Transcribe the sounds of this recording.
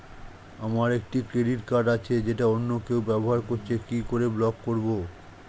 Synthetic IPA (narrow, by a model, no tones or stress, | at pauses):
amaɾek̚ʈikɾeɖiʈkaɖat͡ɕʰed͡ʑeʈaonːokewbɛboɦaɾkoɾt͡ɕʰekikoɾeblɔkːoɾbo